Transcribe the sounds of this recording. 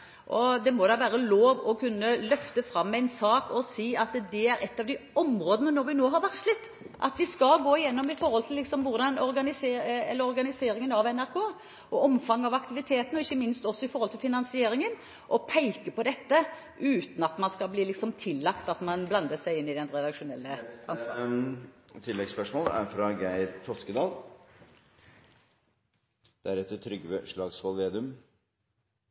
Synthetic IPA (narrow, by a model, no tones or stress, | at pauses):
ʔɔd̪ɛmɔd̪ɑʋæːɾəloːʋɔkʰʉnːəlœft̪əfɾɑmːæɪnsɑːkɔsiːɑt̪d̪ɛæɾɛt̪ːɑʋd̪ɪɔmɾoːd̪ənənɔɾʋɪnoːɦɑɾʋæʁtʂɭɪt̪ː | ʔɑ̰t̪ʋɪskɑlɡoːɪjɛnːɔmɪfɔɾhɔlt̪ʰɪlːɪksɔmʋʊʁɾd̪ɑnɔɾɡɑnɪseːɛləɾɔɾɡɑnɪseːɾɪŋənɑʋɛnæɾkʰoː | ʔɔɔmfɑŋːɑʋɑkt̪ɪʋɪt̪ʰeːt̪ənɔɪçːəmɪnst̪ɔsːɔɪfɔɾhɔlt̪ɪlfɪnɑnsɪeːɾɪŋən | ʔɔpʰæɪkəpɔd̪ɛt̪ːə | ʔʉːt̪n̩ɑt̪mɑnskɑlbliːlɪksɔmt̪ʰɪlːɑkt̪ɑt̪mɑnblɑnd̪əsæɪɪnːɪd̪ɛnɾɛd̪ɑkʂʊnɛlːəɑnsk | t̪ʰɪlːɛɡspœʂmoːlæ̰ɾfɾɑɡæɪɾt̪ʰɔskəd̪ɑːl | d̪̥æɾɛt̪ːət̪ʰɾʏɡʋəʂɭɑːɡsʋɑlˠʋeːd̪ʉm